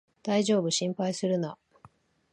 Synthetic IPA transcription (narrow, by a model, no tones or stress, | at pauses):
d̪̥aiʑo̞ːbɯ̟ɕĩmpaisɨɾɯ̟na